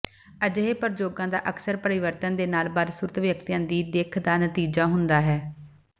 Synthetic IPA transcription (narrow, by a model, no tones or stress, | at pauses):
əd͡ʒɦeːpəɾd͡ʒoːɡãːd̪a̰ːʔəksəɾpəɾɪʋəɾt̪ənd̪eːnaːlbaːd̪suːɾət̪ʰʋjəkt̪ijãːd̪iːd̪eːkʰd̪aːnət̪iːd͡ʒaːɦʊnd̪aːɦɛː